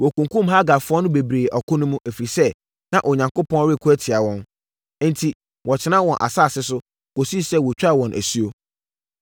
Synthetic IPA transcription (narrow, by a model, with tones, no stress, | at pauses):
wɔ˨kũ˨ŋkũ˦mɦa˦ɡa˨fʊ˦ɔ˦nʊ̃˦be˨bɾeː˨ʔɔ˨kʊ̃˦nʊ̃˦mũ˦ʔæ˨fi˨ɾi˨sɛ˦ | nã˨ʔo˨ɲã˨ŋko˦pɔ̃˦n˦ɾe˦˨kʰu˦æ˦tʰɪ˨a˨wɔ̃˦n˦ | n̩˦tʰi˨ | wɔ˨t͡ɕʰɪ˨˦nã˦wɔ̃˨nʔa̰˨saː˦˨sɪ˦s̬ʊ˦ | ko˨si˦˨sɛ˦˨wɔ˨t͡ɕᶣa˦˨wɔ̃˨nʔæ̰˨si˦o˦